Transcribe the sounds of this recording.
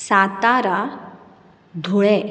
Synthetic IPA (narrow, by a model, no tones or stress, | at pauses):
sat̪aɾa | d̪ʱoɭɛ